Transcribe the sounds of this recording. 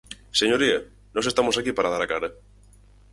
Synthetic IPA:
seɲoɾia | nose̞st̪amosakipaɾaðaɾakaɾa

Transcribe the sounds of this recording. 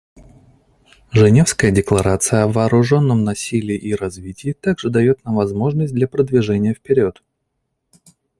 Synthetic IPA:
ʐɨnʲe̞fskəjədʲɪklˠɐɾat̪sɨjəɐvɐːɾʊʐo̞nːəmnɐsʲilʲɪːʔiɾɐzvʲitʲɪːt̪aɡʐɨd̪ɐjo̞t̪namvɐzmo̞ʐnəsʲt̚ʲd̪lʲɐpɾəd̪vʲɪʐɛnʲɪjəfpʲɪɾʲo̞t̪

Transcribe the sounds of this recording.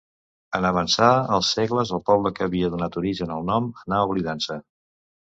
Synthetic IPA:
ənəβ̞ənsaəlˠsːeɣləzəlˠpɔβləkəːβiəðunat̪uɾiʒənəlˠnɔmənaəuβliðansə

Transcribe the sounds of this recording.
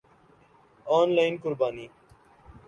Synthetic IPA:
oːnlaːɪnkʊɾbaːniː

